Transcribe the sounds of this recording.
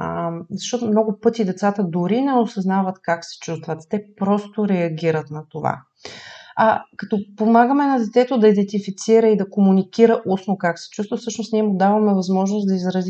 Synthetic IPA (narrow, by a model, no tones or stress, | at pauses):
zɐʃt̪ɔt̪omnɔɡʊpɤt̪id̪ɛt̪sat̪əd̪ʊɾinɛosɐznavət̪kaksɛ̥t͡ʃust̪vət̪t̪ɛpɾɔst̪oɾɛɐɡʲiɾət̪nɐt̪ova̰ | ɐkɐt̪ɔpomaɡəmɛnɐd̪ɛt̪sɛt̪od̪ɐid̪ɛnt̪ifit̪siɾəid̪ɐkomunikiɾəʔusnokaksɛ̥t͡ʃust̪vəfsɤʃnost̪niɛmʊd̪avɐmɛvɐzmɔʒnosd̪ɐizɾɐzi